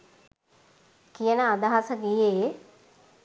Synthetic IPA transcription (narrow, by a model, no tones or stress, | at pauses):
kijənəad̪aɦasəɡije